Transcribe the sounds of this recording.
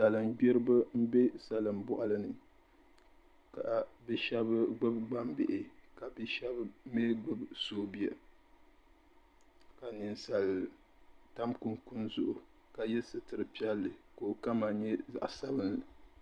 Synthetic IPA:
sa˨lɨ˨mɡ͡bɛ˦ɾɨ˦ba˦m̩˦bɛ˦sa˨lɨ˨mbɔ˦ʔa˦lɨ˦nɨ˨ | ka˨bɛ˦ʃɛ˦bɨ˦ɡ͡bɨ˦b̚ɡ͡ba˦mbɪ̰˨ʔɪ˨ka˨bɛ˦ʃɛ˦bme˦ɡ͡bɨ˦bsoː˦bi˦a˨ | ka˨nɨ˨nsa˨l | ta˦mku˨nku˦nzʊ˨ʔʊ˨ | ka˨jɛ˦sɨ˨tɨ˨ɾɨ˨pi˦ɛ˦lːɨ˨ko˨ka˦ma˨ɲɛ˦za̰˨ʔsa˦bɨ˦nlɨ˨

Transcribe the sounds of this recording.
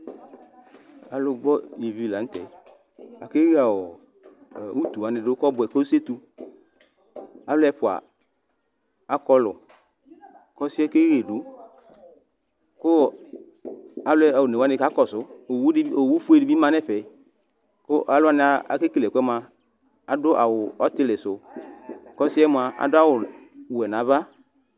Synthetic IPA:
a˨lʊ˧ɡ͡bɔ˦i˨vi˧˨la˨n̩˦tɛ˨˦ | a̰˨ke˦ɣa˨ɔ˨ | u˦t̪u˨wa˨˦nɪ˧dʊ˦kɔ˦bʊ˧ɛ˨ko˦se˦tu˧ | a˨˦lʊ˦ɛ˧pʊ˨a̰˨ | a˦kɔ˧lʊ̰˨ | kɔ˦si˦ɛ˦ke˦ɣe˨du˨˦ | kʊ˦ | a˨lʊ˦ɛ˦a˨wʊ˨ne˨a˨˦nɪ˧˨ka˨˦kɔ˨sʊ˨˦˨o˨wu˦ɸu˦e˦˨di˨˦bi˦mã˧nɛ˦ɸɛ˨˦ | kʊ˦ʔa˨lʊ˦a˦nɪ˧˦a˨a̰˨˦ke˦ki˨lɛ˨kʷɛ˦m˦a˨ | a˨dʊ˦ʔa̰˨wʊ˨ɔ˦tɪ˦lɪ˨sʊ˨ | kɔ˦sɪ˦ɛ˦mʊ˧˨a˨a̰˨dʊ˦a˦wʊ˨ɛ˨na˨˦βa˦

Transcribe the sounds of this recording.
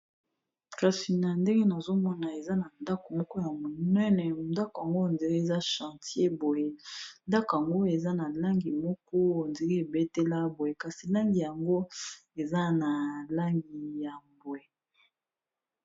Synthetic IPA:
ka˨si˨na˨nde˦ŋɡe˦na˨zo˦mɔ˦na˨e˨za˦na˨nda˦ko˨mɔ˦kɔ˦ja˨ŋɡo˦˨˦nɛ˦nɛ˨nda˦ko˨ja˨ŋɡo˦˨ndi˨ɣe˦e˨za˦ʃã˨tje˦bo˨je˨nda˦ko˨a˨ŋɡo˦e˨za˦na˨la˦ŋɡi˨mɔ˦kɔ˦˨nde˨ɡi˦e˨be˦te˦la˦bo˨je˨ka˨si˨la˦ŋɡi˨ja˨ŋɡo˦e˨za˦na˨la˦ŋɡi˨ja˨mbwe˨

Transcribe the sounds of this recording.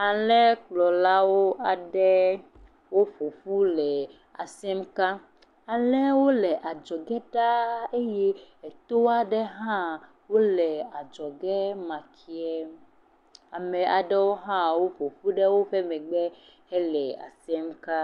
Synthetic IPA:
a˨lɛ˦k͡plɔ˨la˦wo˦ʔa˨ɖɛ˦ | wo˦ɸo˨ɸu˦lɛ˨ | a̰˨sɛ˦mka˦ | a˨lɛ˦wo˦lɛ˨ʔa˨d͡ʒɔ˨ɡɛ˦ɖa˦e˦jɛ˦ɛ˨t̪o˦a˦ɖɛ˦ɦã˦ | wo˦lɛ˨a˨d͡ʒɔ˨ɡɛ˦mã˨kʰi˨ɛ˦ | a˨mɛ̃˨ʔa˨ɖɛ˦wo˦ɦã˦wo˦ɸo˨ɸu˦ɖɛ˦wo˦ɸɛ˦mɛ̃˨ɡ͡bɛ˦ | hɛ˦lɛ˨a̰˨sɛ˦mka˦

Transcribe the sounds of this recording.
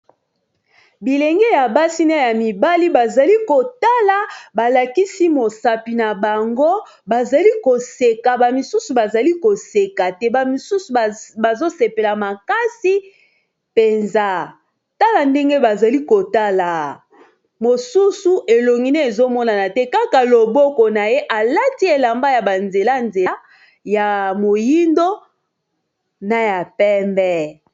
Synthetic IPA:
bi˨lɛ˨ŋɡe˦ja˨ba˦si˦na˦ja˨mi˨ba˦li˦ba˨za˨li˦ko˨ta˦la˨ba˨la˨ki˦si˦mo˨sa˨pi˨na˨ba˨ŋɡo˦ | ba˨za˨li˦ko˨se˨ka˨ba˨mi˨su˦su˨ba˨za˨li˦ko˨se˨ka˨tɛ˦ba˨mi˨su˦su˨ba˨zo˦se˨pe˨la˨ma˨ka˦si˦ | pe˨nza˦ | ta˦la˨nde˦ŋɡe˦ba˨za˨li˦ko˨ta˦la˨ | mo˨su˦su˨ʔe˨lo˨ŋɡi˨ne˦e˨zo˦mɔ˦na˨na˨tɛ˦ka˦ka˨lo˨bɔ˦kɔ˨na˨je˦ʔa˨la˦ti˦e˨la˨mba˦ja˨ba˨nze˨la˦nze˨˦ | ja˨mo˨ji˦ndo˦ | na˨ja˨pɛ˦mbɛ˦

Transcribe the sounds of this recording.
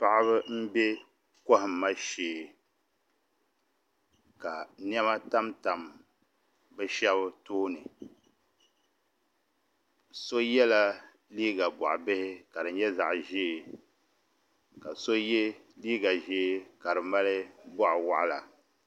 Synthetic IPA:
pa˨ʔa˦βɨ˦m̩˦bɛ˦ | kɔ˦hɪ˨mː˨a˦ʃeː˨ | ka˨ni˦ɛ˦ma˦ta˦mta˨m | bɛ˦ʃɛ˦bɨ˦toː˦nɨ˨ | so˦jɛ˦la˦ | liː˦ɡa˨bɔ̰˨ʔbɪ˦hɪ˦ka˨dɨ˨˦ɲɛ˦za̰˨ʔʒeː˦˨ | ka˨so˦jɛ˦liː˦ɡa˨ʒe˦ka˨ɾɨ˨ma˦lɨ˦bɔ˦ʔwa̰˦˨ʔa˦la˨

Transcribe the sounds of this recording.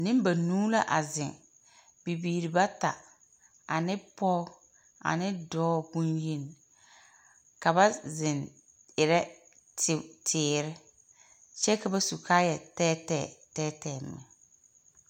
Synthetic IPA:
nɪ̃˦m˦ba˨nuː˦la˦ʔa˨zɪ˨ŋ | bi˨biː˨ɾɪ˨ba˦ta˨ | a˨nɪ˦pɔː˦ | a̰˨nɪ˦dɔː˦bũ˦nji˦˨n˨ | ka˨ba˦zɪ˨n | ɪ˨ɾɛ˦ | tɪ˨tʰɪː˨˦˨ɾɪ˦ | t͡ʃɛ˦ka˨ba˦su˨kʰaː˦jɛ˨tɛː˦tɛ˦˨tɛː˦tɛː˨mːɛ̰˨

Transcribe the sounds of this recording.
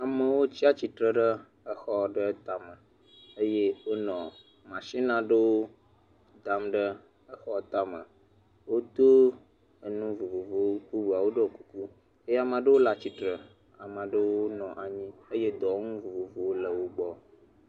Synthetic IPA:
a˨mə˨wo˦t͡ɕi˦a˦t͡ɕi˨t̪ɾə˦ɖə˦ | ə˦xɔ˦ɖə˦t̪a˦mə˨ | ə˦je˦wo˦nɔ̃˨ | mã˨ʃi˦nã˨ɖə˦wo˦ | d̪a˨mɖə˦ | ə˦xɔ˦t̪a˦mə̰˨ | wo˦t̪o˦ | ə˨nũ˦vo˨vo˨vo˦ɸu˦vu˨a˨wo˦ɖə˦o˨ku˦ku˦ | e˦je˦a˨mã˨ɖə˦wo˦la˨t͡ɕi˨t̪ɾə˨ | a˨mã˨ɖə˦wo˦nɔ̃˨ʔa˨ɲĩ˦ə˦je˦d̪ɔ˨˦ŋũ˦vu˨vo˨vo˨wo˦lə˨wo˦ɡ͡bɔ˦

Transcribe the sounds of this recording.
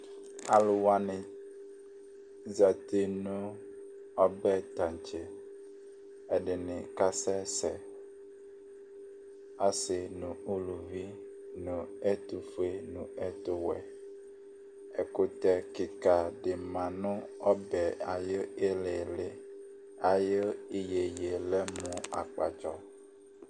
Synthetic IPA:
a˨lʊ˨wa˨nɪ̃˨ | za˨t̪e˨nʊ̃˦ | ɔ˦bɛ˦t̪ã˨n˨t͡ʃɪ˨ | ɛ˨ɖɪ˨nɪ̃˨ka˦sɛ˦sɛ˨ | a˦sɪ˨nʊ̃˨u˦lu˨vi˦ | nʊ̃˨e˦t̪u˨fe˦nũ˨ɛ˦t̪o˦wɛ̰˨ | e˨ko˦t̪ɛ˦ki˨ka˨ɖe˨mã˨nɔ̃˦ɔ˦bɛ˨a˨je˦e˦le˨le˦ | a˨je˦i˦je˨je˨le˦mũ˨a̰˨k͡pa̰˨t͡ʃɔ˦

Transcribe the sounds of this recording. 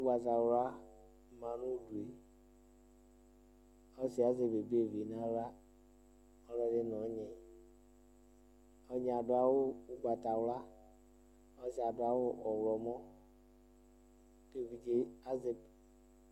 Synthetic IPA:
u˦ɡ͡ba˨ta˨wɾa˦ | ma˨nu˦˨du˨e˨ | ɔ˦si˨a˦ze˨be˨bi˦e˦˨vi˨na˦ɾa˦ | ɔ˦ɾɔ˦de˦nɔ˨˦ɲe˨ | ɔ˧ɲe˨a˨du˨a˨wo˦u˨ɡ͡ba˨ta˨wɾa˦ | ɔ˦si˨a˨dʊ˨a˨wo˦ʔɔ˨wɾɔ˨mɔ˦ | ke˦˨vi˨d͡ʒe˦a˦ze˨b

